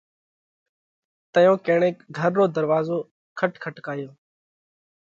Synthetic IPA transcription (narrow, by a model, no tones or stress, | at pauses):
t̪əjõːkeːɳeːkɡʱəɾːoːd̪əɾʋaːzoː | kʰəʈkʰəʈkaːjoː